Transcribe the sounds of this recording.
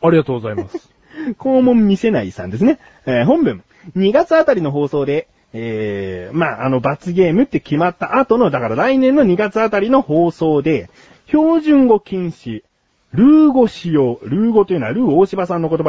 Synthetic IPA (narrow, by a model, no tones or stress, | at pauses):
aɾʲiɡat̪oːɡozaimas | ko̞ːmõ̞mːʲise̞naisã̰nd̪e̞sɨne̞ | eːɦõ̞mbɯ̟̃ŋ | ɲ̟iɡat͡sɨat̪aɾʲino̞ɦo̞ːso̞ːd̪e̞ | eːmaːʔano̞bat͡sɨɡe̞ːmɯ̟t̪ːe̞kʲimat̪ːaʔat̪o̞no̞d̪akaɾaɾainẽ̞nːoɲ̟iɡat͡sɨat̪aɾʲino̞ho̞ːso̞ːd̪e̞ | ço̞ːʑɨ̃ŋɡo̞kʲĩɰ̃ɕi | ɾɯ̟ːɡo̞ɕijo̞ːɾɯ̟ːɡo̞t̪oiɯ̟nβaɾɯ̟ːoːɕibasãnːo̞kot̪oba